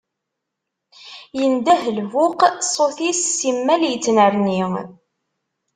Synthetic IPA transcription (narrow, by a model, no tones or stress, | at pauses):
jənd̪æhlvʊqsˤoθissimːæljət͡sːnəɾni